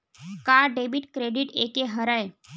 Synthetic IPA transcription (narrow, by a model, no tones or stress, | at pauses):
kaɖebiʈkɾeɖiʈekeɦəɾaj